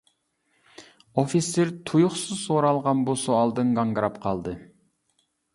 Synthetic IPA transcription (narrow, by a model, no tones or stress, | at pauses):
ofiseɾt̪ʰujuχsɨzsoɾɑlˠʁɑnbusoɑlˠd̪ɨŋɡɑŋɡɨɾɑpqʰɑlˠd̪ɨ